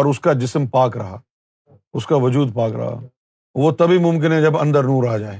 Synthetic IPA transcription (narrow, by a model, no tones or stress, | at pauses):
ɔɾʊskad͡ʒɪsmpaːkɾɐɦa̰ː | ʊskaʋʊd͡ʒuːd̪̚paːkɾɐ̰ɦa̰ | ʋot̪ɐbʱimʊ̃mkɪnɦɛ̃d͡ʒɐbɐ̃nd̪əɾnũːɾaːd͡ʒaːeː